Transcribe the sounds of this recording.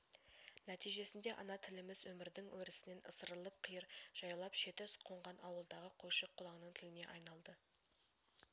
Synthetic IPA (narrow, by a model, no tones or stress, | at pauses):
næt̪ijʒe̞sɪnd̪e̞ʔɑnɑt̪ʰɪlɪmɪzwɵmɪɾd̪ɪŋwɵɾɪsɪne̞nʔə̰səɾəlˠəp̚qʰijəɾʒ̥ɑjɑlˠɑpʃe̞t̪ɪsqʰo̞ɴʁɑnʔɑwəlˠd̪ɑʁəqʰoʃəqʰːʊlˠɑɴnəɴt̪ʰɪlɪne̞̰ʔɑjnɑlˠd̪ə